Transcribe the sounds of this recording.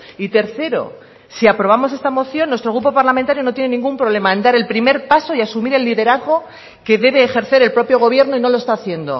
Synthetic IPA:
it̪e̞ɾθe̞ɾo̞̰ | siapɾo̞β̞amose̞st̪amo̞θjo̞nːwe̞st̪ɾo̞ɣ̞ɾupo̞paɾlament̪aɾjo̞no̞t̪jene̞nĩŋɡumpɾo̞β̞le̞maend̪aɾe̞lpɾime̞ɾpaso̞iasumiɾe̞lːiðe̞ɾaðɣo̞ | ke̞ðe̞β̞e̞ːxe̞ɾθe̞ɾe̞lpɾo̞pjo̞ɣ̞o̞βje̞ɾnoino̞loest̪aːθje̞nd̪o̞̰

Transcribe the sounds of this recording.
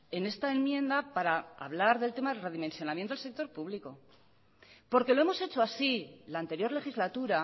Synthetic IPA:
e̞ne̞st̪ae̞mmje̞nd̪apaɾaa̰βlaɾðe̞lt̪e̞maðe̞lre̞ðime̞nsjo̞nãmjent̪oelse̞k̚t̪o̞ɾpuβliko̞ | po̞ɾke̞loe̞mo̞se̞t͡ʃo̞asilaːnt̪e̞ɾjo̞ɾle̞xizlat̪uɾa

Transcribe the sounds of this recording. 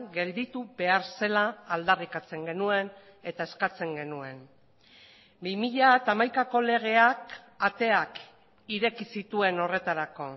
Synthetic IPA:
ɡe̞ld̪it̪uβe̞aɾse̞laːld̪arikat͡se̞ŋɡe̞nue̞n | e̞t̪ae̞skat͡se̞ŋɡe̞nue̞n | bimiʎat̪amajkako̞le̞ɣ̞e̞ak | at̪e̞ak | iɾe̞kisit̪ue̞no̞re̞t̪aɾako̞

